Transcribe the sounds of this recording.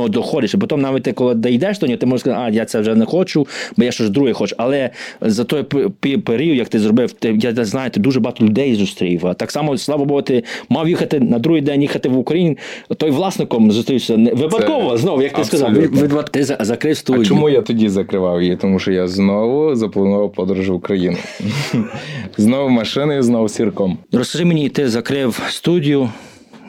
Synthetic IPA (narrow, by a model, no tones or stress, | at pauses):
ɔd̪ɔxɔd̪ʲɪʃɪpɔt̪ɔmnɑʋʲit̪̚ʲt̪ɪkɔlˠɪd̪ɐjd̪ɛʃd̪ɔnʲiɔt̪ɪmɔʒɛʃskɐzaajat̪sɛʋʒɛnɛxɔt͡ʃʊbɔjaʃt͡ʃɔʒd̪ɾuɦɛxɔt͡ʃʊɐlˠɛzɐt̪ɔjppipeɾʲiud̪jɐkt̪ɪzɾɔbɪwt̪ɪjaznajɛt̪ɪd̪uʒɛbɔɦɑt̪ɔlʲʊd̪ɛjzʊst̪ɾʲijʋɐt̪ɑksɑmɔslˠɑʋɔbɔɦɔt̪ɪmɑjjixɐt̪ɪnɐd̪ɾuɦijd̪ɛnʲjixɐt̪ɪʋʊkɐjinʲit̪ɔjʋlˠɑsnɪkɔmzʊst̪ɾiwsʲɐnɛʋɪpɐt̪kɔʋɔznɔʋʊjɐk̚tɪskɐzɑʋɪʋt̪ɪzɐzɐkɾɪwst̪udʲt͡ʃiɔmujat̪ɔdʲizɐkɾɪʋɑwjit̪ɔmuʃɔjaznɔʋʊzɐpɔlˠnɔʋʊpɔd̪ɾʊʒʊwʊkɾɐjinʊ̰ | znɔʋʊmɐʃɪnɪjznɔwsʲirkɔmrɔskɐʒɪmenʲit̪ɪzɐkɾɪwst̪udʲijʊ